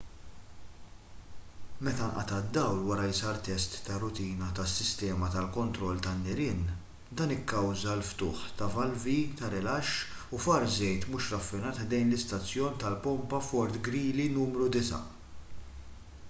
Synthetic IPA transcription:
mɛt̪ɐnʔɐ̰t̪ɐd̪ːɐwlwɐɾɐjsɐɾt̪ɛst̪ːɐrʊt̪iːnɐt̪ɐsːɪst̪ɛːmɐt̪ɐlkɔnt̪ɾɔlːt̪ɐnːɪɾɪn | d̪ɐːnɪkːɐwzɐlft̪ʊːħt̪ɐvɐlvit̪ɐɾɛlɐʃː | ʊfɐɾzɛjt̪muːʃɾɐfːɪnɐːt̪d̪ɛjnlɪst̪ɐt͡sːjɔːnt̪ɐlpɔmpɐfɔɾt̪ɡɾiːlinuːmɾud̪ɪsɐ̰

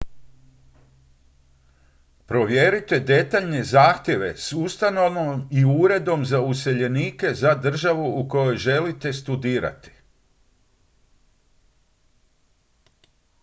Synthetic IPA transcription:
pɾo̞ʋje̞ɾit̪e̞d̪e̞t̪aʎne̞zaːxt̪je̞ʋe̞sust̪ano̞ʋnomiuɾe̞d̪o̞mzause̞ʎe̞niːke̞zad̪r̩ʒaʋuuko̞jo̞jʒe̞lit̪e̞st̪ud̪iːɾa̰t̪i̥

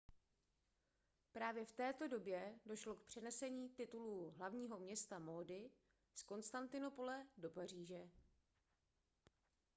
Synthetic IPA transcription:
pɾaːvjɛft̪ɛːt̪o̞do̞bjɛdo̞ʃlo̞k̚pr̝̥ɛnɛsɛɲiːt̪ɪt̪uluːɦlavɲiːɦo̞mɲɛst̪amoːdɪ | sko̞nst̪ant̪ɪno̞po̞lɛdo̞pariːʒɛ

